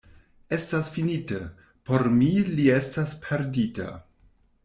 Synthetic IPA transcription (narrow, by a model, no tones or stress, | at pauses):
e̞stasfinite | po̞ɾmilie̞staspʰe̞ɾdita̰